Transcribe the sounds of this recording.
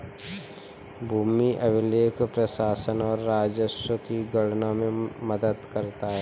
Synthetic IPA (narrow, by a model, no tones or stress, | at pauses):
bʱuːmiʔəʋɪleːkpɾəsaːsənɔːɾːaːd͡ʒəʃəkiɡəɽnamẽməd̪əd̪kəɾt̪aɦɛː